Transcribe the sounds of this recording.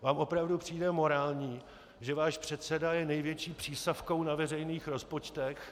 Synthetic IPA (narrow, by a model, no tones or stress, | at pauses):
vaːmʔo̞pɾavdupr̥iːdɛmo̞ɾaːlɲiː | ʒɛvaːʃpr̝̥ɛt̪sɛdajɛnɛjvjɛt͡ʃiːpr̝̥iːstafko̞wnavɛrɛjniːxɾo̞spo̞t͡ʃt̪ɛx